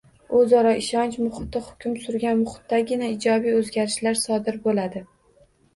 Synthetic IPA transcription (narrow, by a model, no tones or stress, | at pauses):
ozɒɾɒʔɪʃɒnt͡ʃmʊχɪt̪ɪhʊ̥kʲʊmsʊɾɡʲanmʊχɪ̥t̪ːaɡʲɪnaɪd͡ʒɒbijɵzɡʲaɾɪʃlaɾsɒd̪ɪɾbolad̪ɪ